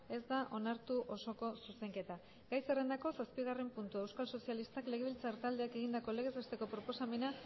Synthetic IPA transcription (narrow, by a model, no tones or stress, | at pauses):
e̞zd̪aʔo̞naɾt̪uʔo̞so̞ko̞suse̞ŋke̞t̪a | ɡajsere̞nd̪ako̞saspiɣ̞arempunt̪ue̞wskalso̞sialist̪akle̞ɣeβilt͡saɾt̪ald̪e̞ake̞ɣ̞ind̪ako̞le̞ɣ̞e̞zβest̪e̞ko̞pɾo̞po̞same̞na